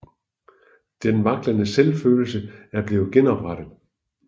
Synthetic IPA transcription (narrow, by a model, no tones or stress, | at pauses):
d̥enʋɑ̈ɡ̥lənəselfø̰ːl̩səæɐb̥leːʊð̩ˠɡ̥enɒ̽b̥ʁaɾ̥əðˠ